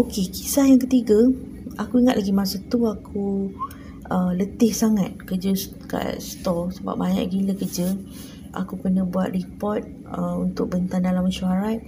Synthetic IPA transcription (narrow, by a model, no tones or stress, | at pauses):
okeki̥sahjaŋkət̪iɡa | ʔakuiŋat̪laɡimasat̪uakʰu | ʔələt̪ɪhsaŋat̪̚kəd͡ʒə | ka̰st̪ɔsəba̰p̚baɲa̰ʔɡiləkərd͡ʒə | ʔa̰kukənə̃buat̪̚ripɔt̪̚ | əunt̪ʊk̚bənt̪andalaməʃuaɾat̪̚